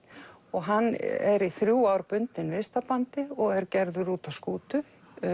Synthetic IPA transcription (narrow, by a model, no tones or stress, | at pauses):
ɔɣɦanːɛ̰ɾiθɾjuːawɾpʏnt̪ɪnvɪst̪apant̪ɪɔɣɛɾcɛɾðʏɾuːt̪askuːt̪ʏ